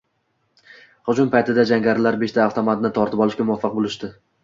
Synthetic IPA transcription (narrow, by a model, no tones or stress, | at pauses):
χʊd͡ʒʊmpʰajt̪ʰɪd̪ad͡ʒaŋɡʲaɾɪlaɾbeʃt̪ʰaːft̪ʰomat̪̚nɪt̪ʰɒɾt̪ʰɪpɒlˠɪʃkʲamʊvafːɑq̚bolˠɪʃd̪ɪ